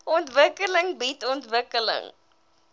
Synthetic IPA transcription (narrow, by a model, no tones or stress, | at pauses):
ɔntvəkələŋbitɔntvəkələ̰ŋ